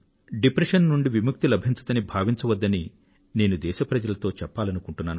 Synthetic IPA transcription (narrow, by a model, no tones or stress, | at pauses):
ɖipɾɐʂɐnnuɳɖiʋimuk̚t̪ilɐbʱiɲt͡ʃɐ̥d̪ɐnibʱaːʋiɲt͡ʃɐʋɐd̪ːɐni | neːnud̪ɛːʃɐpɾɐd͡ʒɐlɐt̪oːt͡ʃɛpːaːlɐnukuɳʈunːaːnu